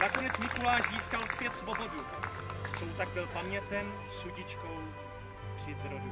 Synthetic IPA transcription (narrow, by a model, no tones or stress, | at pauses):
nako̞nɛt͡smɪkulaːʒziːskalspjɛt̪svobo̞du | sowt̪aɡ̚bɪlpamɲɛt̪ɛm | suɟɪt͡ʃkow | pr̥ɪzɾodu